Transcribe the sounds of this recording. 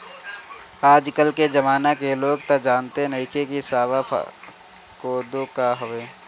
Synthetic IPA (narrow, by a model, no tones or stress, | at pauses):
aːd͡ʒkəlked͡ʒɐmaːnakeloːɡt̪ɐd͡ʒaːnt̪enɐɦikekisaːʋapʰ | koːd̪okaɦoʋeː